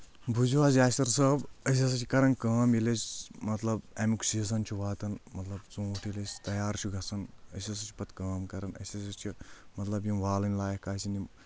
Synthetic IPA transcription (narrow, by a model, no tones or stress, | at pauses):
bʱuzuʋaːzʲaːsʲɐɾsɐbəs̬ʲɐs̬ɐt͡ʃʰikɐɾɐnkaːmjilɐsʲmɐt̪lɐbemiku̥sisɐnt͡ʃʰuʋaːt̪ɐnmɐt̪lɐbt͡sũːʈʰjilʲɐsʲt̪ɐjaːɾt͡ʃʰuɡɐsɐnə̰sʲɐs̬ɐt͡ʃʰi̥pɐt̪kaːmkɐɾɐnɐ̰sʲɐsɐt͡ʃʰimɐt̪lɐbjimʋaːlɐnʲlaːjɐhkaːsini